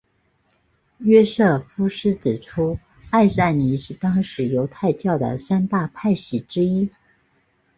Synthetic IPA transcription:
ɥɛ˥ʂɤ˥˩fu˥ʂɻ̩˥ʈ͡ʂɻ̩˨˩ʈ͡ʂʰu˥ | a˥˧ɪsa˥˩ɪni˧˥ʂɻ̩˥˩t̪ɑ˥ŋʂɻ̩˧˥jo˧˥ʊt̪ʰa˥˧ɪt͡ɕjɑ˥˩ʊd̪ə̰˩ɕa˥nt̪a˥˧pʰa˥˩ɪɕi˧˥ʈ͡ʂɻ̩˥i˥

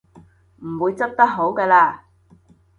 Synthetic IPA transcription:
m̩˨˩wuː˨˧jt͡sɐ˥k̚t̪ɐ˥k̚ɦo˨˥wkɛː˧laː˧

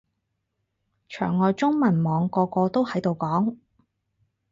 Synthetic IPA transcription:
t͡ʃʰœ̰ː˨˩ŋːɔː˨jt͡sʊ˥ŋmɐ˨˩nmɔː˨˧ŋkɔː˧kɔː˧t̪o˥whɐ˨˥jt̪o˨wkɔː˨˥ŋ

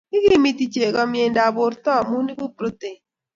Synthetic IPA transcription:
i˦ɡi˦mi˨ti˨t͡ʃe˨ɡɔ˦mje˨nda˨bʊ˨ɾtɔ˦˨mu˦ni˦bo˦pɾo˦te˨

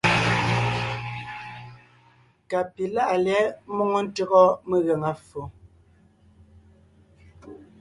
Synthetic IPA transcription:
ka˨pi˨la˦ʔa˨lɛ˨˦mo˦ŋo˦n̩˦tə˦ɣɔ˦me˦ɣɛ˨ŋa˨fo˨

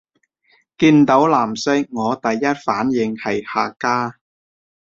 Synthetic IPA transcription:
kiː˧nt̪o˨˥wlaː˨˩msɪ˥k̚ŋɔː˨˧t̪ɐ˨jːɐ˥t̚faː˨˥njɪ˨˧ŋhɐ˨jhaː˨˧kaː˥

